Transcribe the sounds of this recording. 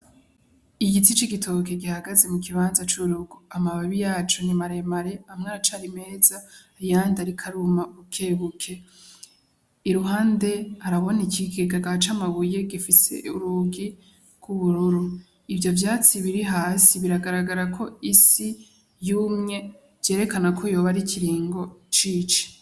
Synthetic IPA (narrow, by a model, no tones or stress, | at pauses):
iɡitit͡ʃiɡitʰo̞ke̞ɡihaɡaze̞mukʰiβaːnzat͡ʃuɾuɡoamaβaβijaːt͡ʃoɲimaɾe̞maɾe̞amŋaːɾat͡ʃaɾime̞ːza | ɾijaːndaɾikʰaɾumaɡukʰe̞βukʰe̞ | iɾuɦaːnde̞haɾaβo̞nikiɡeɡaɡat͡ʃamaβuje̞ɡifise̞̰ṵɾuɡi | kʰuβuɾuɾu | ivjo̞vjaːt͡siβiɾiɦaːsiβiɾaɡaɾaɡaɾakʰo̞isi | juːmŋe̞ | v̥je̞ːɾe̞kanakʰo̞jo̞ːβaɾiciɾiːŋɡo̞t͡ʃiːt͡ʃi̥